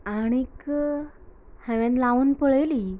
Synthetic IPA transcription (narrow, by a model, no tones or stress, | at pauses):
aɽ̃ik | hãʋãnlauːnpəɭəjli